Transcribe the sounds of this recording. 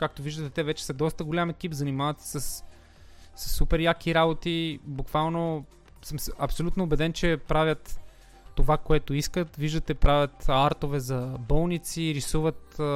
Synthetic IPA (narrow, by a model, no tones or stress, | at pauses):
kak̚t̪oviʒd̪ət̪ɛt̪ɛvɛt͡ʃɛ̥sɐd̪ɔst̪əɡolʲamɛkipzɐnimavət̪ssɐsː | ɐ̥sːupɛɾjakiɾabot̪ibukvalˠno | səmsɐpsolʲut̪noːbɛd̪ɛnt͡ʃɛpɾavʲjət̪ː | ovakoɛt̪oiskət̪viʒd̪ət̪ɛpɾavʲjət̪aɾt̪ovɛzɐbɔlˠnit̪siɾisuvət̪